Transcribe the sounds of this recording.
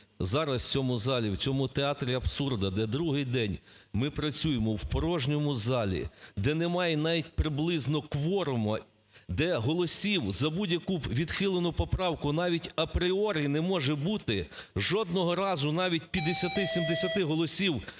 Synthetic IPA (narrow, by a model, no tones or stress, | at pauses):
zɑɾɐst͡sʲɔmʊzɑlʲiwt͡sʲɔmʊt̪eɑt̪ɾʲiɐbsurd̪ɐd̪ɛd̪ɾuɦɪjd̪ɛnʲmɪpɾɐt͡sʲujemɔwpɔɾɔʒnʲɔmʊzɑlʲḭd̪ɛnɛmɑjɛnɑʋʲitʲpɾɪblˠɪznɔkʋɔɾʊmɐ | d̪ɛɦɔlˠɔsʲiwzɐbudʲjɐkuʋʲid̪xɪlˠenʊpɔpɾɑwkʊnɑʋʲitʲɐpɾɪɔɾʲinɛmɔʒɛbut̪ɪʒɔd̪̚nɔɦɔɾɑzʊnɑʋʲit̚ʲpʲjɐd̪esʲɐt̪ɪsʲimd̪esʲɐt̪ɪɦɔlˠɔsʲiw